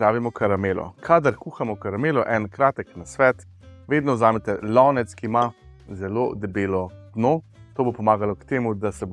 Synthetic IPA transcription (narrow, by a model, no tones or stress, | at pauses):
ɾaːʋimɔkʰaɾameːlɔ̰kʰaːd̪aɾkuːxamɔkaɾameːlɔʔɛnkɾaːt̪ɛknasʋɛːt̪ | ʋeːd̪nɔzaːmɛt̪ɛlɔːnɛt̪skima | zɛlo̰d̪ɛbeːlɔd̪noː | t̪oːbopɔmaːɡalɔkt̪eːmud̪asɛb